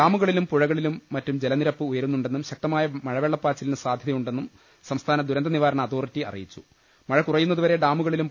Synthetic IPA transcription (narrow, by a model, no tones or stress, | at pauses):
ɖaːmuɣɐɭilumpuɻɐɣɐɭilumːɐtːumd͡ʑe̞lɐniɾɐpːɨujɐɾunːuɳɖe̞nːumɕɐk̚t̪ɐmaːjɐmɐɻɐʋeːɭːɐpːaːt͡ɕːilinɨsaːd̪ʱjɐðɐjuɳɖe̞nːum | sɐmst̪ʰaːnɐd̪ʱuɾɐnd̪ɐniʋaːɾɐɳɐːd̪o̞ːrtːiɐ̰rḭjit͡ɕːu̥ | mɐɻɐkurɐjːunːɐðuʋɐɾe̞ɖaːmuɣɐɭilum